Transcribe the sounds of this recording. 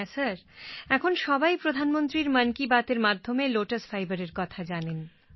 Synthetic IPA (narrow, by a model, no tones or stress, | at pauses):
ɛsəɾɛkʰonʃɔbajpɾod̪ʱanmont̪ɾiɾmənkibat̪eɾmad̪ʱːomeloʈəsfʰajbəɾeɾkɔt̪ʰad͡ʑanen